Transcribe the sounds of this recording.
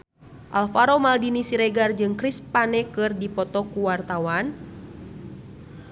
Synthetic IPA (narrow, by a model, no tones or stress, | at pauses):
ʔalfaɾomaldinisiɾɛɡard͡ʒɨŋkɾispanɛkɨrdipɔt̪ɔkuwart̪awan